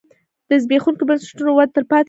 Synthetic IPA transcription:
d̪̥əzbexunkobənsɪ̥ʈunowad̪̚t̪əɾpɑt̪

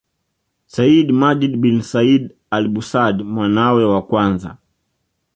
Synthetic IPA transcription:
saidmad͡ʒidbinsaid | alɓusadmwanawɛwakwanza̰

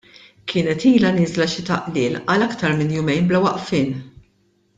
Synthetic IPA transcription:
kʰɪːnɛt̪iːlɐnɪːzlɐʃɪt̪ɐ̰ʔlɪːlɐlɐkt̪ɐɾmɪnjʊmɛjnblɐwɐʔfɪːn

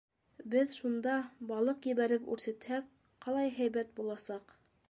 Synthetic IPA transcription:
bɘðʃund̪ɑbɑlˠɤqjɘ̆βæɾɘpʉ̰ɾθæt̪hæk | qɑlˠɑjɦæjβæt̪̚bulˠɑsɑq

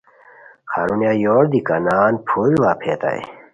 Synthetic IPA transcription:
xa̰ːɾunjaːjoːɾd̪ikanaːnpʰuːɾiʋaːpʰeːt̪a̰j̰

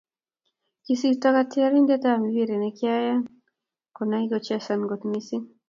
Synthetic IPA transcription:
kisitakatiaɾindɛtamiwiɾɛnɛkjaja | kɔnaiɡɔt͡ʃasanɡɔtmisi

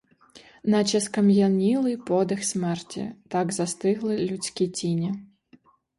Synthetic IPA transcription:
nɐt͡ʃɐskɐmjanʲilˠɨjpɔd̪ɛxsʲmɛrt͡sʲḭt̪aɡzast̪ɪɣlˠɨlʲut͡sʲkʲit͡sʲinʲi

